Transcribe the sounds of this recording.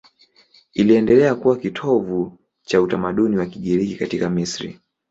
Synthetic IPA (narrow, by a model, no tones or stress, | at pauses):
iliɛndɛlɛakuwakitʰɔvu | t͡ʃautamaɗuniwakiɠiɾikikatikamisɾḭ